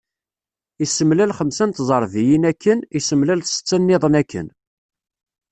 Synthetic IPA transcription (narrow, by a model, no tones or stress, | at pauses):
isəmlælχəmsænt̪zˤəɾˤvijinækːənisəmlælθsə̥t͡sːænːɪðˤənækʰːə̰n